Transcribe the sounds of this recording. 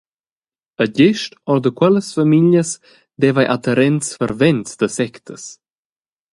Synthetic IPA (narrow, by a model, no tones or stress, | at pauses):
əɟeʃtɔɾd̪əkwɛləsfamiʎjəs | d̪ɛvajʔat̪əɾɛnsfəɾvɛnt͡sd̪əsɛkt̪ʰəs